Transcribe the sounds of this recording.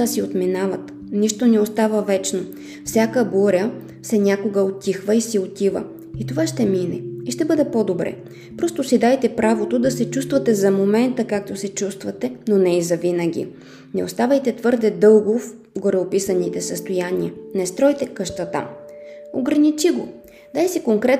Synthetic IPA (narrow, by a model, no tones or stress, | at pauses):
asiot̪minavət̪ | niʃt̪onɛost̪avəvɛt͡ʃno | fsʲakəboɾʲə | fsɛnʲakoɡəot̪ʲixvəisiot̪ʲivə̰ | it̪ovaʃt̪ɛminɛ̰iʃt̪ɛbɤd̪ɛpod̪obɾɛ̰ | pɾɔst̪osid̪ajt̪ɛpɾavot̪od̪ɐsɛt͡ʃust̪vɐt̪ɛzɐmomɛnt̪əkak̚t̪osɛt͡ʃust̪vɐt̪ɛnonɛizɐvinəɡ̟ʲḭ | nɛost̪avəjt̪ɛt̪vɤɾd̪ɛd̪ɤlˠɡof | ɡoɾɛopisənit̪ɛsəst̪ojaniənɛst̪ɾɔjt̪ɛkəʃt̪ɐt̪a̰oɡɾɐnit͡ʃiɡo | d̪ajsikoŋkɾɛt̪